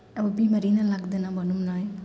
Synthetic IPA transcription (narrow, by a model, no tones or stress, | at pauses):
ɐbɐbimɐɾinɐlak̚d̪ɐnabɐnumnaj